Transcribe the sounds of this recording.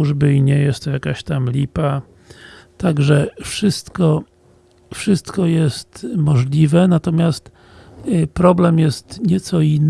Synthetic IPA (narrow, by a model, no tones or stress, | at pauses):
uʐbɘiɲɛjɛst̪ːɔjakaɕt̪amlʲipa | t̪aɡʐɛfʂɘst̪kɔ | fʂɘst̪kɔjɛst̪mɔʐlʲivɛnat̪ɔmʲjast̪ | pɾɔblɛmjɛst̪ɲɛt̪sɔinː